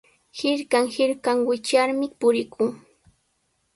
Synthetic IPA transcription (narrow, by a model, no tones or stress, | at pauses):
hɪɾkaŋhɪɾkaŋwɪt͡ʃaɾmɪpʊɾɪkʰʊŋ